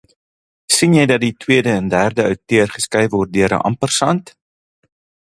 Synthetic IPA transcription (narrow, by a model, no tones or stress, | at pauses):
sinjɛjdɐt̚ditwiədəɛndæːrdəœwtøərχəskɐjvɔrt̚døəɾə̰ʔɐ̰mpərsɐnt